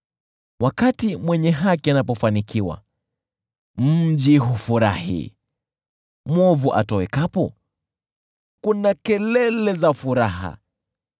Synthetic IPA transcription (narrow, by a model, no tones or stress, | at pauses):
wʔakatimwɛɲɛɦakianapɔfanikiwa̰ | mm̩d͡ʒiɦufuɾa̰hḭ | mwɔvuʔa̰tɔwɛkapɔ | kunakɛlɛlɛzafuɾaɦa̰